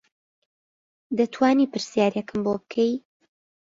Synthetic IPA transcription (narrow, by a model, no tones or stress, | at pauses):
d̪ɐt̪ʰwaːnipɨɾsijaːɾjɛkʰɨmbobɨkʰej